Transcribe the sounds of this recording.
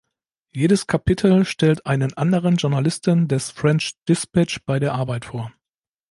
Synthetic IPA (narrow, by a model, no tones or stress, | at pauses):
jeːdəskʰapɪtʰl̩ʃtɛltʔaɪnənʔandəʁ̞ənʒʊɐnalɪstəndɛsfʁ̥ɛnt͡ʃd̥ɪspat͡ʃb̥aɪdeːɐʔaɐbaɪtfoːɐ